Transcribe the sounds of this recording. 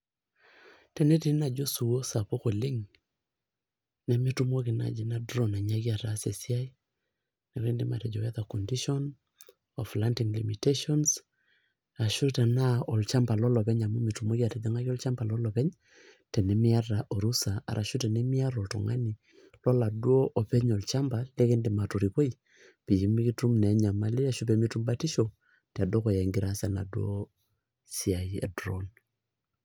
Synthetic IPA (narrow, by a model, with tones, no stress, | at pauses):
tɛ˨ne˦ti˨˦na˨d͡ʒo˦su˨wo˦sa˨po˦ko˨lɪ˦ŋ | nɛ˨mɪ˦tu˦mo˦kɪ˨na̰˨d͡ʒi˨na˦dɾɔ˨na˨ɲa˦ki˦a˨ɾa˨˦se˨si˦a˦i˦ | nɛ˨kɾe˦ndi˦ma̰˨ɾɛ˨d͡ʒɔ˨wɛ˦ða˨kɔ˨ndi˦ʃɔ˦n | ɔ˨fla˦nti˨ŋli˨mi˨te˦ʃɔ˦ns | a˨ʃu˦ta˨na˦ɔ˨lt͡ʃa˦mpa˨lɔ˦lɔ˨pɛ˦ɲa˨mu˦mɪ˨tu˨mo˦ki˦a˨tɛ˨dɛ˦ŋa˦kɔ˦lt͡ʃa˦mpa˨lɔ˦lɔ˨pɛ˦ɲ | tɛ˨ne˨˦mi˦a˦ɾa˨ʔo˨ɾu˦sa˨a̰˨ɾʔa˨ʃu˦tɛ˨nɛ˦mi˦a˦ɾɔ˨ltɔ̰˨ŋa̰˦ni˨ | lɔ˦la˨dwo˦ʔɔ˨pɛ˦ɲɔ˨lt͡ʃa˦mba˨le˦kɛ˦ndi˨ma˨to˨ɾi˨po˦i˨ | pi˨ji˨mi˦ki˦tu˦mnɛ˨˦ɲa˨ma˦li˦a˨ʃu˦pe˨mi˦tu˦mba˦ti˦ʃo˨ | ta˨do˦kɔ˨jɛ˨ŋɡi˦ɾa˦sa˨na̰˨dwo˦ | sia˨jɛ̰˨dɾɔ˦n